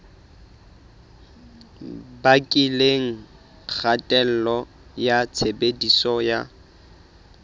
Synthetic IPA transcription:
bakʼileŋ̩ | k͡xʰatʼɛl̩lɔ | jat͡sʰebedisɔja̰

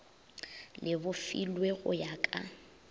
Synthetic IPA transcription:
lʔɪbʊfḭlweɣʊ̰jakʼa

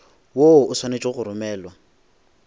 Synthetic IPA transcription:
woʊswanet͡ʃʼɪɣʊɾʊmɛːlwa

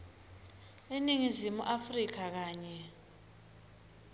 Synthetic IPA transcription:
eniŋizimuʔafrik̬ak̬aːɲɛ

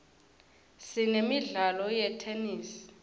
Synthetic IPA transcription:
sinemiɮalɔjɛtʰeniːsi̥

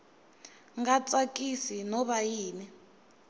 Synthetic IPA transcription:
ŋɡat͡sʼakʼisinɔβajiːni

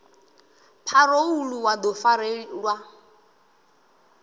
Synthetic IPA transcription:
pʰarouluwad̪ɔfaɾelwa

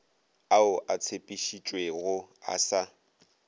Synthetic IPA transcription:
aʊʔat͡sʰepʼiʃit͡ʃʼweɣʊa̰sa

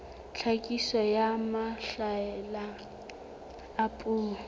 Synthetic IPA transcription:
ɬʰakʼisɔjamaɬaɛla | pʼuː

